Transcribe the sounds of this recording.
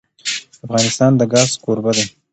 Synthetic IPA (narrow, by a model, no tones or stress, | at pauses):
afɣɑnɪst̪ɑnd̪əɡɑzkoɾbəd̪a